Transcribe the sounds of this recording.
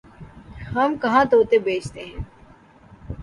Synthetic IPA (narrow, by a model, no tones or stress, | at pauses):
hɐmkɐɦãt̪oːt̪ebeːt͡ʃt̪eɦɛ̃ː